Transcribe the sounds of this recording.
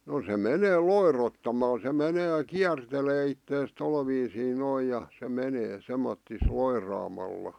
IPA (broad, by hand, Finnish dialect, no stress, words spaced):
no se meneː loirotːɑmɑl se meneː kiærteleː itːeːs tol ʋiːsiː noi jɑ se meneː semːotːis loirɑːmɑlːɑ